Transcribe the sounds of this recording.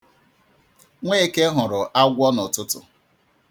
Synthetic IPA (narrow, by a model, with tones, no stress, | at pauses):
ŋʷe˦ke˦ɦʊ˨ɾʊ˨ʔa˦ɡʷɔ˦nɔ˨tʊ˦tʊ̰˨